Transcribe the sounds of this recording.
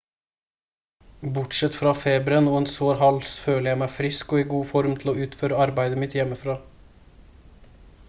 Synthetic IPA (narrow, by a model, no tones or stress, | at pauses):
bʊʈʂɛt̪fɾɑːfeːbɾənuːənsoːɾhɑlsføːləjæɪmæɪfɾɪskoːiːɡuːfɔɾmt̪ʰl̩oːʉːt̪føːɾəɑɾbæɪd̪əmɪt̪jɛməfɾɑː